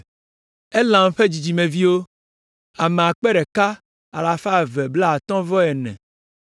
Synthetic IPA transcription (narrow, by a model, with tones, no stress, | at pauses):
e˦lã˨mɸe˦d͡ʑi˨d͡ʑi˨mẽ˨vi˦wo˦ | a˨me˨a˨k͡pɛ˦ɖɛ˨ka˦ | a˨la˨fa˦˨vɛ˨bla˦a˨t̪ɔ̃˦vɔ˦ɛ˨nɛ̰̃˨